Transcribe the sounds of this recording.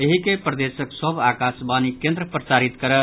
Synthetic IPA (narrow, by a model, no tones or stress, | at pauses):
eɦikepɾəd̪esəksəbakasbanikẽnd̪ɾəpɾət͡ʃaɾit̪kəɾə